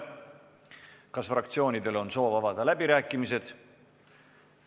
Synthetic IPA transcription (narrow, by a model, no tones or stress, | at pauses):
kɑsfrɑk̚t̪sio̞ːnid̪e̞lo̞nso̞ːvɑvɑd̪̥ɑlæbiɾæːkːˑimis̬e̞d̪̥